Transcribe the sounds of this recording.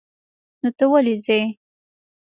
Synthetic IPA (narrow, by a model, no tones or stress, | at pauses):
not̪əwalize